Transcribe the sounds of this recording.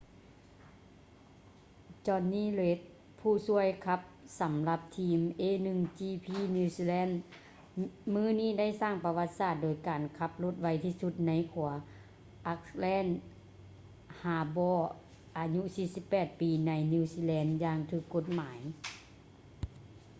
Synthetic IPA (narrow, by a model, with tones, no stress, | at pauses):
t͡ɕɔː˧nːiː˥˨le˧˦˥t̪̚ | pʰuː˧˩su˧˥˩əjkʰa˧p̚sa˨˦mla˧p̚t̪ʰiː˧˥mʔeː˧˥˨nɯ˧˨ŋt͡ɕiː˧pʰiː˧˥˨ni˧siː˧lɛː˧˥˨n | mɯː˧˥˨niː˥˩˨da˥˩jsaː˥˩ŋpa˧wa˧t̪̚saː˧˩t̪̚doː˨˩jkaː˨˩nkʰa˧p̚lo˧˥˩t̪̚wa˧˥jt̪ʰiː˧˩su˧˦t̪̚na˧˥jkʰu˨˩˦ɐ | ʔa˧˥k̚lɛː˧˥˨n | haː˨˦bɔː˧˩ | ʔaː˨˩ɲu˧˥ʔsiː˧si˧˦pːɛː˧˩t̪̚piː˨˩na˧˥jni˧˨siː˧lɛː˧˥njaː˧ŋt̪ʰɯː˧˩kːo˧˥t̪̚maː˩˨˦j